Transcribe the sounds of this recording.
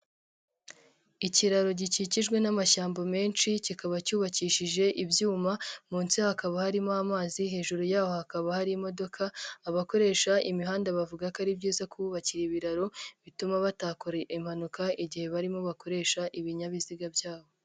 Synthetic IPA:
iciɾaɾo̞ɟiciciʒɡwe̞namaʃaːmbome̞ːnʃicikaβacuːβaciːʃiʒe̞ʔibjuːmamuːnsihakaβahaɾimoamaːziɦe̞ːʒuɾujaːho̞hakaβahaɾimo̞do̞kʰaːβako̞ɾe̞ːʃaʔimiɦaːndaβavuɡakaɾibɟiːzakuβuβaciɾiβiɾaɾo̞βitumaβataːkoɾeʔim̥hanukaiɟihe̞βaɾimo̞βako̞ɾe̞ːʃaʔiβiɲaβiziɡabjaːβo̞

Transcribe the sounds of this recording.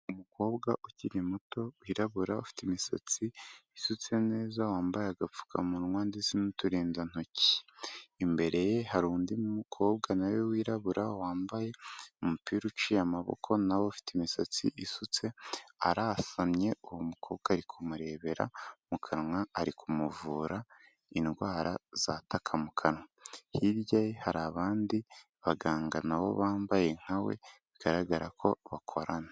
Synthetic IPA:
umuko̞ːbɡaʔuciɾimuto̞wiɾaβuɾaṵfi̥timisa̰t͡siːsut͡se̞ne̞ːzawaːmbajeaɡap͡fu̥kʰa̰muɾuŋwaːndisinutuɾiːndan̥oci̥ː | mbe̞ɾe̞jeɦaɾuːndimumukʰo̞ːbɡanawewiːɾaβuɾawaːmbaje̞umupiːɾut͡ʃijamaβo̰kʰo̞nawofi̥temisat͡sḭʔisut͡se̞aɾasamɲe̞uwumukʰo̞ːb̚ɡaːɾikʰumuɾe̞ːβe̞ɾa̰mukʰaɾŋaːɾikʰumuvuːɾa | inɡwaːɾaz̥atʰakʰamukʰaɾŋaahiɾjajihaɾaβaːndi | βaɡaːŋɡanawo̞̰βaːmbaje̞ŋ̥hawḛβiɡ̥aɾaɡaɾakʰo̞̰βakʰo̰ɾana

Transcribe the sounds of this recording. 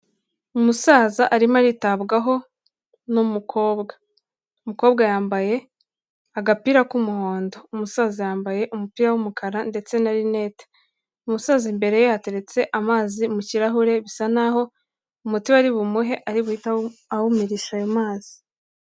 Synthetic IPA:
umusaːzaʔaɾimaɾitaβɡaɦo̞ | numukʰo̞ːβɡa | umuko̞ːβɡajaːmbaje̞ | aɡapiːɾakumuho̞ːndo̞umusaːzajaːmbaje̞ʔumupiːɾawumukʰaɾande̞t͡se̞naɾine̞ːtḁ | umusaːzimbe̞ɾe̞johate̞ɾe̞t͡se̞ʔamaːzimuciɾaɦuɾe̞βisanaɦo̞ | umutiwaɾiβumuɦe̞ʔaɾiβuhitaawumiɾiʃajomaːzi̥

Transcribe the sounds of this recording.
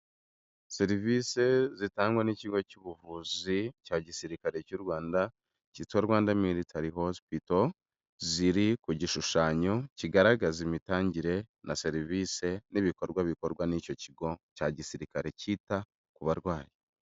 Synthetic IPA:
se̞ɾiviːse̞zitaːŋɡweniciɡo̞cuβuvuːzicaːɟisiɾikaɾe̞cuɾwaːnda | citwaɾɡwaːndamiɾitaɾiɦo̞spito | ziɾikuɟiʃuʃaːɲo̞ciɡaɾaɡazimitaːɲɟiɾe̞ | nʔase̞ɾiviːse̞niβiko̞ɾɡwaβiko̞ɾɡwanico̞ciɡo̞caːɟisiɾikaɾe̞ciːta | kuβaɾɡwaːje

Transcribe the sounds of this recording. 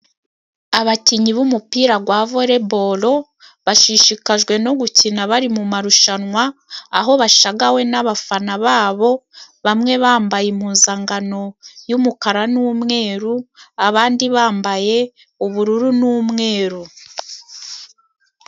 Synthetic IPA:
aβaciɲiβumupiːɾaɡwaːvo̞ɾe̞bo̞lo̞ | βaʃiʃikaʒɡwe̞no̞ɡucinaβaɾimumaɾuʃanŋwaːɦo̞βaʃaɡawe̞naβafanaβaːβo̞βamŋe̞βaːmbajimhuːnzaŋɡano̞jumukaɾanuːmŋe̞ːɾuaβaːndiβaːmbaje̞ | uβuɾuɾunuːmŋe̞ːɾu

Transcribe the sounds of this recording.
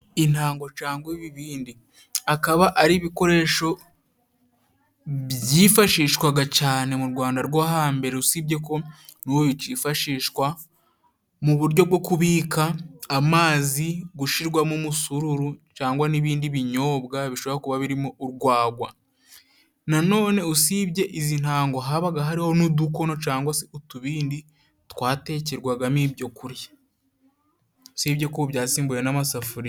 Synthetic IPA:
in̥aːŋɡo̞t͡ʃaːŋɡoiβiβiːndi | akaβaʔaɾiβiko̞ɾe̞ːʃo̞ | βjiːfaʃiːʃkwaɡacaːne̞muɾɡwaːndaɾɡwaɦaːmbe̞ɾeusibɟe̞ko̞nuwoβit͡ʃifaʃiːʃkwa | muβuɾɟo̞bɡo̞kuβiːkaːmaːziɡuʃiɾɡwamumusuɾuɾut͡ʃaːŋɡwaniβiːndiβiɲo̞ːbɡaβiʃo̞βaaokuβaβiɾimoʔuɾɡwaːɡwa̰ | nano̞ːne̞usibɟe̞ʔizin̥aːŋɡo̞ɦaβaɡaɦaɾiho̞nuduko̞no̞t͡ʃaːŋɡwaseutuβiːndi | twaːte̞ːceɾɡwaɡamiːbjo̞kuɾjḁ | usiːbɟe̞kubjaːsiːmbujenamasafuɾi

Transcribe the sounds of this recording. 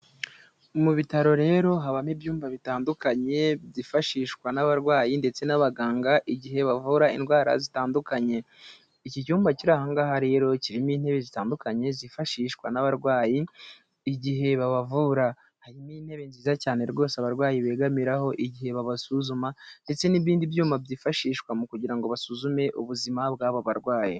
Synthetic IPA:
muβitaɾo̞ɾe̞ːɾo̞ɦaβamibjuːmbaβitaːndukaɲe̞bzifaʃiːʃkwanaβaɾɡwaːjinde̞t͡se̞naβaɡaːŋɡaʔiɟiɦe̞βavuːɾaḭnɡwaːɾa̰zitaːndukaɲe̞ | icicuːmbaciɾaːhaŋɡaːɦaɾe̞ɾo̞ciɾimiːn̥he̞βe̞zitaːndukaɲe̞zifaʃiːʃkwanaβaɾɡwaːjiː | ɟiɦe̞βaβavuɾa | haɾimiːn̥he̞βe̞nziːzacaːne̞ɾɡo̞ːsaβaɾɡwaːjiβe̞ːɡamiɾaho̞ʔiɟihe̞βaβasuzumande̞t͡se̞niβiːndibjuːmabɟiːfaʃiːʃkwamukuɟiɾaŋɡo̞βasuːzume̞ʔuβuzimabɡaːβoβaɾɡwaːji

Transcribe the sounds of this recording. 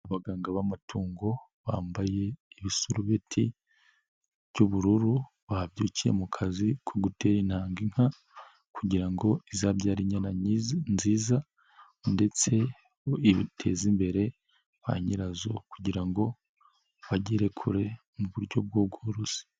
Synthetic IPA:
aβaɡaːŋɡaβamatʰuːŋɡo̞ | βaːmbaje̞iβisuɾuβetʰi | βjuβuɾuɾu | βahaβɟuːcije̞̰mukʰazikʰoɡute̞ːɾinhaːŋɡiŋ̥ha | kʰuɟiɾaŋɡo̞izaβɟaːɾiɲananziːza | nde̞t͡se̞ | iβitʰezimbe̞ɾe̞ | βa̰ɲiɾazo̞̰kuɟiɾaŋɡo̞ | βaɟiɾe̞kʰuɾe̞ | muβuɾɟo̞b̚ɡob̚ɡoɾusi̥

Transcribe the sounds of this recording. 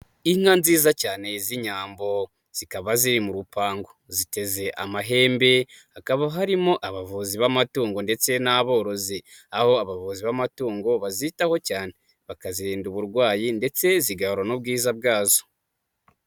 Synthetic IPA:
iŋ̥hanziːzacaːne̞ziɲaːmbo̞ | z̥ikaβaziɾimuɾupaːŋɡo̞zite̞ze̞ʔamaɦe̞ːmbe̞hakaβaɦaɾimo̞ʔaβavuziβamatuːŋɡo̞nde̞t͡se̞naβo̞ːɾo̞zi | aho̞aβavuziβamatuːŋɡo̞βazitaho̞caːne̞ | βakaziɾiːnduβuɾɡwaːjinde̞t͡se̞ziɡahɾonob̚ɡiːzab̚ɡaːzo

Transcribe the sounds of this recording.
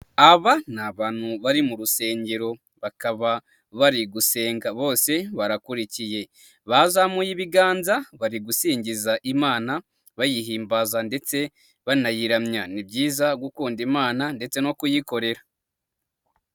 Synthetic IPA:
aβanaβaːn̥huβaɾimuɾuse̞ːɲɟe̞ɾo̞ | βakaβa | βaɾiɡuse̞ːŋɡaβo̞ːse̞βaɾakuɾicije̞ | βazamujiβiɡaːnzaβaɾiɡusiːɲɟizaʔimaːna | βajiɦiːmbazande̞t͡se̞ | βanajiɾamɲanibɟiːzaɡukuːndimaːnande̞t͡se̞no̞kujiko̞ɾe̞ɾa

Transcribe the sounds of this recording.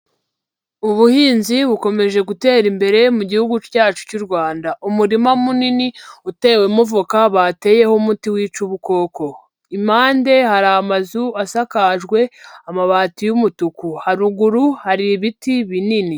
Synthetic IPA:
uβuhiːnziβuko̞me̞ʒe̞ɡute̞ːɾimbe̞ɾe̞muɟihuɡucaːt͡ʃu̥cuɾɡwaːndaʔumuɾimamuniniute̞ːwemuvukaβate̞ːje̞homutiwiːt͡ʃuβuko̞ːko̞ | imaːnde̞haɾaːmazuasakaʒɡwe̞amaβaːtijumutukuhaɾuɡuɾuhaɾiβitiβinini

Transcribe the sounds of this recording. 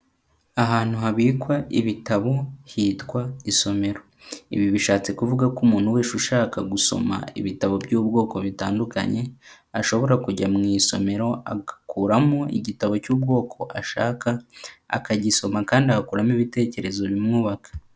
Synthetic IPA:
aɦaːn̥huhaβiːkwaʔiβitaβo̞hiːtkwaiso̞me̞ɾo̞ | ḭβiβiʃaːt͡se̞kuvuɡakumuːn̥huwe̞ːʃuʃaːkaɡuso̞̰ma̰ḭβitaβo̞bɟuːbɡo̞ːko̞βitaːnduka̰ɲe̞ | aʃo̞βo̞ɾakuɟamŋiːso̞me̞ɾo̞a̰ɡakuːɾamoḭɟitaβo̞cuːb̚ɡo̞ːkʰo̞ʔa̰ʃa̰ːka̰ːkaɟiso̞makaːndiahakuːɾamiβite̞ːce̞ɾe̞zo̞βimŋuːβakḁ

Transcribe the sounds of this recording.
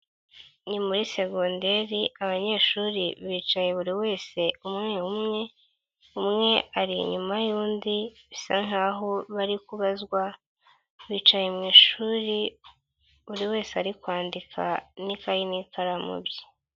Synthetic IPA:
nimuɾise̞ɡondeɾiaβaɲe̞ʃuɾiβiːt͡ʃaje̞βuɾiwe̞ːse̞umŋe̞umŋe̞ | umŋe̞aɾiɲumajuːndiβisaŋaːɦo̞βaɾikuβazɡwa | βiːt͡ʃajemŋiːʃuɾi | βuɾiwe̞ːseaɾikwaːndikʰa̰nikajinikʰaɾamṵbji̥

